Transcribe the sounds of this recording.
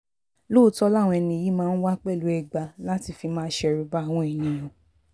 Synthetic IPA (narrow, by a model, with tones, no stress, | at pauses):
lo˦˨tɔ˧la˦˨w̃ɔ̃˧ɛ˧nĩ˧˨ji˦mãː˦˧n̩˦wa˦k͡pɛ˦˨lu˨˦ɛ˧ɡ͡ba˧la˦ti˧fi˧mãː˦ʃɛ˧˨ɾu˨˧ba˦a˦˨w̃ɔ̃˧e˨j̃ĩ˧˨j̃ɔ̃˨